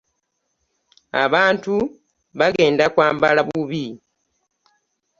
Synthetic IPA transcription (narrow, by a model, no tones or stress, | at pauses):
a̰βaːntu | βaɡe̞ːndakwaːmbalaβuuβi